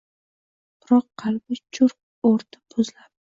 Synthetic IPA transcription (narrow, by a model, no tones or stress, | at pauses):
b̥ɾɒqʰːɑlbɪt͡ʃʰʊɾq̚ | oɾt̪ʰḁbʰʊzlap̚